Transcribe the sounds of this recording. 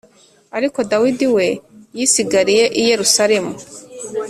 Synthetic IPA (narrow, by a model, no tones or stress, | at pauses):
aɾiko̞dawidiwe̞jisiɡaɾije̞ʔije̞ɾusaɾe̞mu